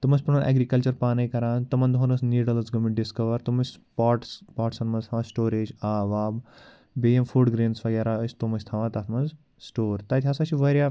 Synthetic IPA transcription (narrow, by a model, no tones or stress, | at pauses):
t̪umɐsʲpunɐnʔɛ̰ɡɾikɐlt͡ʃɐɾpaːnɐjkɐɾãːnt̪ɐmɐnd̪ɦonɐsniːɖɐlsɡɐmiɳʈ̚ɖiskɐʋɐɾt̪umɐsʲpaːʈspaːʈsɐnmɐnzt̪ʰaʋãsʈoːɾeːd͡ʒaːʋaːb | beːemfuːɖɡɾeːnsʋɐɡʲɛɾaəst̪umɐsʲt̪ʰɐʋãt̪ɐt̪ʰmɐnz | sʈoːɾt̪ɐt̪ʲʰasat͡ʃʰiʋɐɾja